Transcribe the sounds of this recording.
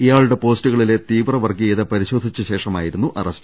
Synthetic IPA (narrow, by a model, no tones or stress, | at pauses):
ijaːɭuɽe̞po̞ːstuɣɐɭile̞t̪iːʋrɐʋɐrɡijɐðɐpɐɾiɕo̞ːd̪ʱit͡ɕːuɕe̞ːʂɐma̰ːjiɾunːuʔɐrɐstɐ